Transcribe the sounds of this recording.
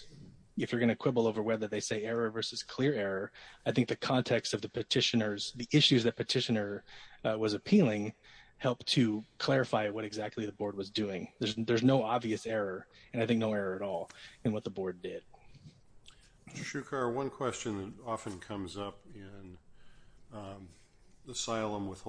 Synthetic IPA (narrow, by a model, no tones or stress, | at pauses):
ɨfjə˞ɡʌñɨkʰw̥ɪbl̩ˠoʊvə˞wɛ˞ðɨt̪̚ðeɪseɪɛɹə˞vɜ˞sɨz̥kʰl̥ɪɹɛɹə˞aɪθɪ̃ŋk̚ðɨkʰɑ̃ntʰɛkstʌvðɨpʰɨtʰɪʃɨnə˞z̥ðiʔɪʃʉzðɨt̚pʰɨtʰɪʃɨnə˞wʌzɨpʰilˠɪ̃ŋ | hɛlˠp̚tʰɨkʰl̥ɛɹɨfaɪwʌɾɨɡzæk̚tˡliðɨbɔɹd̚wʌzdʉɪ̃ŋðə˞zðə˞znoʊɑbviɨsɛɹə˞ | ɨ̃naɪθɪ̃k̚noʊɛɹə˞ɨɾɔlˠɨ̃nwʌt̪̚ðəbɔɹdɪd̥̚ | ʃʉkʰɑwʌ̃nkʰw̥ɛst͡ʃɨ̃nðɨɾɑfɨ̃nkʰʌ̃mzʌpɪ̃n | əsaɪlˠə̃mwəð̥